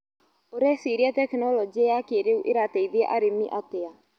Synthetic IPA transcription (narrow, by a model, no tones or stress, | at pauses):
oɾɛsiɾiatɛknɔlɔd͡ʒiajakeɾeuʔɪɾateiðiaʔaɾemiʔat̪ea